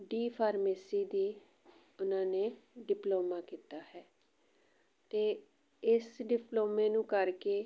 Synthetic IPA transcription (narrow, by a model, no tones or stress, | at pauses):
ɖiːpʰaːɾmeːsiːd̪iː | ʊnãːneːɖɪploːmaːkiːt̪aːhɛː | t̪eː | ɪsɖɪploːmeːnũːkəɾkeː